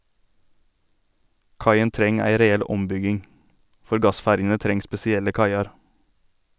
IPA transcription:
ˈkɑɪən ˈtɾɛŋ ˈæɪ ɾɛˈɛl ˈɔmˌbʏɡɪŋ ˈfɔɾ ˈɡɑˌsfæɾjənə ˈtɾɛŋ spɛsɪˈɛlə ˈkɑɪɑɾ

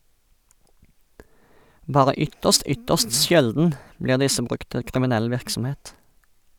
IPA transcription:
ˈbɑːʁə ˈʏtəst ˈʏtəst ˈʃɛldn̩ ˈbliːʁ ˈdɪsə ˈbʁʉkt ˈtɪ kʁɪmɪˈnɛl ˈʋɪʁksm̩ˌheːt

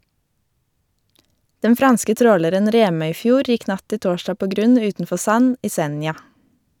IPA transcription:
ˈdɛn ˈfɾɑnskə ˈtɾoːləɾən ˈɾeːmœʏˌfjuːɾ ˈjɪk ˈnɑt ˈtɪ ˈtoːʃtɑː ˈpoː ˈɡɾʉn ˈʉːtn̩ˌfɔ ˈsɑn ˈiː ˈsɛnjɑ

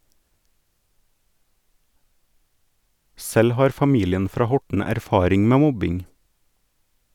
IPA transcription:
ˈsɛl ˈhɑːɾ fɑˈmiːlɪən ˈfɾɑː ˈhɔʈɳ̩ æɾˈfɑːɾɪŋ ˈmeː ˈmɔbɪŋ

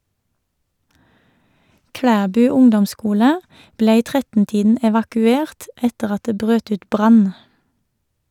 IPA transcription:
ˈkɽæːbʉː ˈʊŋdɔmˌskuːlə ˈbleː ˈiː ˈtʁɛtn̩ ˈtiːdn̩ ɛʋɑkʉˈeːʁt ˈɛtəʁ ˈɑt ˈdeː ˈbʁøːt ˈʉːt ˈbʁɑn

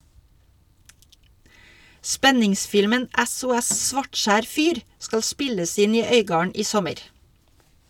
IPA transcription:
ˈspɛnɪŋˌsfɪlmən ʔæsʊˈɛs ˈsʋɑʈˌʃæːɾ ˈfyːɾ ˈskɑl ˈspɪləs ˈɪn ˈiː ˈœʏɡɑːəɳ ˈʔiː ˈsɔməɾ

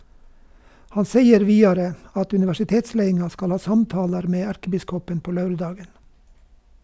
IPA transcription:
ˈhɑn ˈseɪəɾ ˈʋiːɑɾə ˈɑt ʉnɪʋæʃɪˈteːtˌsleɪɪŋɑ ˈskɑl ˈhɑː ˈsɑmˌtɑːləɾ ˈmeː ˈæɾkəˌbɪskɔpən ˈpoː ˈlɑʉɾˌdɑːɡən

